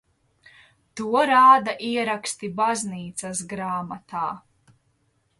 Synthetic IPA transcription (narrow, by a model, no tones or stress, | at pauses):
t̪uɔɾaːd̪aʔiɛɾakst̪ibazniːt̪sas̬ɡɾaːmat̪aː